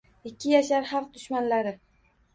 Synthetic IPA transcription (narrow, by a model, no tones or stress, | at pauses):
ɪkʲːɪjaʃaɾhɑq̚d̪ʊʃmanlaɾɪ